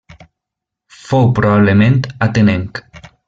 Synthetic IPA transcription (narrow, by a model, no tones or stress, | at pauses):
fowpɾoβaβlemẽnt̪at̪eneŋk